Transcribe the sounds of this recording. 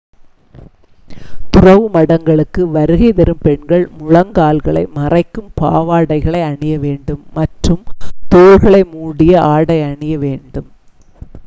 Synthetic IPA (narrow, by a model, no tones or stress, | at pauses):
t̪ʊrɐʋɯmɐɽɐŋɡɐɭɯkːɯʋɐɾɯɣɐɪðɐɾɯmpɛɳɡɐɭmʊɻɐŋɡaːlɣɐɭɐ̰ɪmɐrɐɪkːɯmpa̰ːʋaːɽɐɪɣɐɭɐɪɐɳɪjɐʋeːɳɖɯmːɐʈrɯmt̪oːɾɣɐɭɐɪmuːɽɪjɐʔaːɽɐɪɐɳɪjɐʋeːɳɖɯm